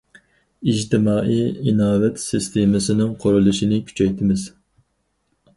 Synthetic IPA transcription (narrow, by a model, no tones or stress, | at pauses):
id͡ʒt̪ʰɪmɑːʔijinɑːvɛt̪sɨst̪ʰemɪsɪnɪŋqʰoɾulˠɨʃinɪkʲʰy̥t͡ʃʰɛjt̪ʰɪmɪz̥